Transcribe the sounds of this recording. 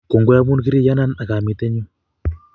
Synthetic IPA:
ko˨ŋɡwo˦a˦βu˦nki˦ɾi˦ja˦na˦na˨ka˨mi˨te˦ɲu˦

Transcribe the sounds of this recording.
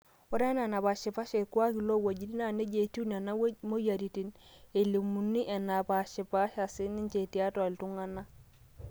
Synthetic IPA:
o˦ɾa˦n˦a˨na˨pa˨ʃi˨pa˦ʃe˨ku˦a˦ki˨lo˦wa˨ɟi˦ni˦na˦˨ne˦d͡ʒe˨ti˦n˨a˨na˦mo˦ja˨ɾi˨ti˨˦ne˨li˨mu˨nːi˦ʔe˨na˨pa˨ʃi˨pa˦ʃa˨si˦ni˦ɲt͡ʃe˨ti˨a˦twa˨ltu˦ŋa˦na˦

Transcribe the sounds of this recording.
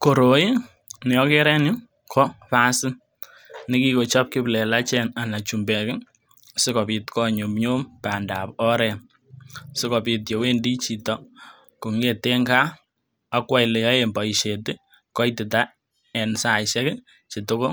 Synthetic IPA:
ko˨ɾo˨i˦ | nɛ˨ɔ˦ke˦ɾɛ˦nɪ˦ | kʰɔ˦pa˦sɪ˦n | nɪ˦ki˦ko˨t͡ʃɔ˦p̚kɪ˦plɛ˨la˦t͡ʃɛ˦na˨na˨t͡ʃu˨mbɛ˨kɪ˦ | sɪ˦kɔ˨pi˨tkɔ˦ɲu˨pɲo˦mpa˨nda˨pɔ˦ɾɛ˨n | sɪ˦kɔ˨pi˨t̬je˨we˦ndi˦t͡ʃi˨tɔ˨ | ku˨ŋe˦te˦ŋɡaː˦ | kwa˦jle˨jɔ˦e˨mbɔ˨i˨ʃe˨tɪ˦ | kɔ˦i˦tɪ˨ta˦ | ɛ˨nsa˨ʃɛ˦kɪ | t͡ʃi˨to˦ko˦

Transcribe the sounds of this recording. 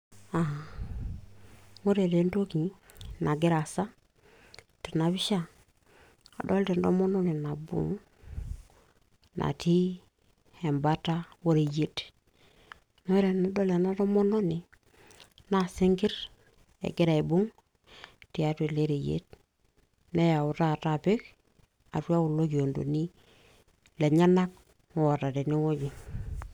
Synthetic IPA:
a˨ | mo˦ɾe˨de˨˦nto˦ki˨˦ | na˨ɡi˦ɾa˨sa˦ | ti˨na˨bi˦ʃa˦ | a̰˨do˦lte˨n˨do̰˦mo˦no˦ne˨na˨bṵ˨ŋ˦ | nʔa̰˨ti˦ | he˨mba˦ta˦wo˦ɾe˨je˦t | no˦i˦ɾe˨na˦do˦le˨na˦to˦mo˦no˦ni˨ | na˦˨si˦ŋɡi˦ɾ | ḛ˨ɡi˦ɾa˨i˨bu˦ŋ | ti˨a˦te˨le˦ɾe˨jḛ˦t̚ | ne˦ja˨u˨ta˦˨ta˨pi˦k | a˨tu˦a˦wu˨lo˦ɡi˨o˨ndo̰˨ni˦ | le˨ɲa˦na˦k̚ | o˨wo˨ta˨te˨ni˦wo˦ɟi˨

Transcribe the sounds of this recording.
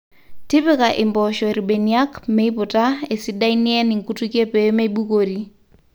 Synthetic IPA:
tɪ˦pɪ˦ka˨ʔɪ˨mbɔʃɔ˨e˨ɾi˨ɓe˨nia˦kme˦ipʊ˨ta˦e˨si˦da˦iniɛ˦nɪ˨ŋku˦tu˦ke˦pɛ˨me˦i˦ɓu˦koɾi

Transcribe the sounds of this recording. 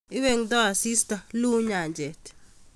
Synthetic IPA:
i˦we˦ŋdɔ˦a˨si˦sta˨lu˦ɲa˨ɲd͡ʒɛ˨t

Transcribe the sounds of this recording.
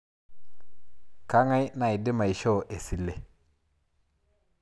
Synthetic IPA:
ka˦ŋa˦jna˨jdi˦ma˨jʃo˦˨ʔe˨si˨lːe˨

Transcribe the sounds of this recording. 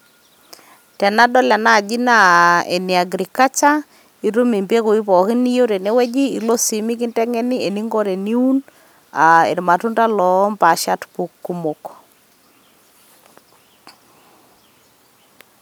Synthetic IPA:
tɛ˨na˦dɔ˦lɛ˨na˦˨d͡ʒi˦na˦ḛ˨ni˨a˨ɡɾi˨ka˦t͡ʃa˦ | i˦ɾu˦me˨mbe˦ko˨i˦pɔ˨kɪ˦ni˦jo˦ɾe˨ne˦wɛ˦d͡ʒiː˦˨lo˦si˨mi˦ki˦ntɛ˦ŋɛ˦ni˦e˨ni˦ŋɡo˦ɾe˨ni˦u˦n | a˨ḛ˨ɾma˨tu˦nta˦lɔ˨˦mpa˨ʃa˦tbu˨kːu˦mo˨k

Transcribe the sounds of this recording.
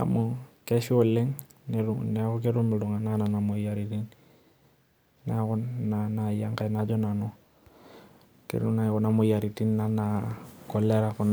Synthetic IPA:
a̰˨mɔkɛʃi˦ɔ˨le˦ŋ | nɛɾunɛkɔk̬e˦ɾu˦mɪ˨lʊ˨ŋa˨nana˨na˨mo˨jaɾi˨ti˦n | nɛkɔ˦nana˨ja˦ŋka˨jnad͡ʒɔ˦na˨nɔ˦ | kḛ˨ɾu˦nakɔ˨na˨mɔ˨ja˨ɾi˨ti˦nːa˦nakɔ˨lɛ˦ɾakɔ˨n

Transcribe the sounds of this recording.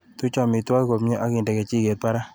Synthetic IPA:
tu˦t͡ʃa˨mɪ˨twa˦ki˦ko˨mɲɛ˦ʔa˦ki˨ndɛ˨kɛ˨t͡ʃi˦˨ke˨t̚pa˦ɾa˦

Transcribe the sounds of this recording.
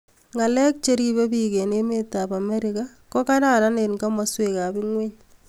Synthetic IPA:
ŋa˨lɛ˦k̚t͡ʃe˦ɾi˦be˦bike˨ne˦me˦tapa˨mɛ˦ɾɪka | kɔ˦ka˦na˦ɾa˦ne˨nka˦mɔsweka˨bɪ˦ŋwe˦ɲ

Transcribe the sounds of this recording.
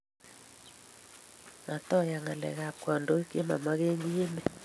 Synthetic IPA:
ma˨tɔ˦ja˨ŋa˨lɛ̰˨ɣa˨kwɔ˨ndo˨˦i˦ke˦ma̰˨ma˦ɣe˦ɲi˦e˦mɛ˨

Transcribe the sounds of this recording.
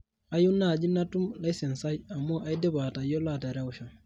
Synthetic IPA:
a˨˦ju˦na˦˨d͡ʒi˦na˦tu˦mla˦jse˨nsa˦ja˨mːo˦ʔa˨jde˦ba˨ta˨jo˦la˨ta˨ɾa˦˨uʃa˨

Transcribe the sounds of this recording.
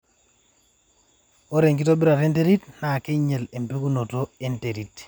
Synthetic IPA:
o˦ɾe˨ŋk̬i˦to˦bi˦ɾa˨te˦nte˦ɾi˦tna˨ke˦ɲe˨le˨mpi˦ku˦no˨to˦e˦nte˨ɾi˨t

